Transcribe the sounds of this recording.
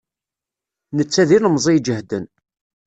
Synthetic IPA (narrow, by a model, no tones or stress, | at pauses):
nət͡sːæðiləmzˤijd͡ʒəhd̪ən